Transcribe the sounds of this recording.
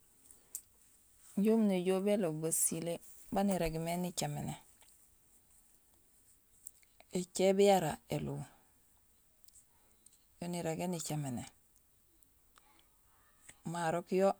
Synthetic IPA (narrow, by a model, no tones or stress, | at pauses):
ɲɟomniɟobelobasile | baniɾeɡmenit͡ʃamene | et͡ʃebijaɾaelu | joniɾeɡenit͡ʃamene | maɾokjo